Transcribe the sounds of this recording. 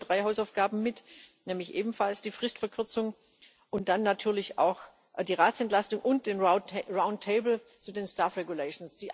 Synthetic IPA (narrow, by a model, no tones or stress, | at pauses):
d̥ʁaɪɦaʊsaʊfɡ̥aːbm̩mɪtnɛːmlɪçʔeːbm̩falsd̥iːfʁ̥ɪstfɛɐkʰʏɐt͡sʊŋ | ʔʊnt̚d̥anːatʰyːɐlɪça̰ʊx | diːʁaːtt͡sɛntlastʊŋʔʊnt̚d̥eːnʁaʊnttʰeɪbl̩ | t͡suːdeːnstaːfʁɛɡulɛɪʃn̩sd̥iːʔ